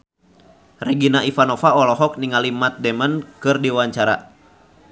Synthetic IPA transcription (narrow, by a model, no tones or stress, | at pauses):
rɛɡinaʔifanɔfaɔlɔɦɔk̚niŋalimat̪̚dɛmənkɨrdiwaɲt͡ʃaɾa̰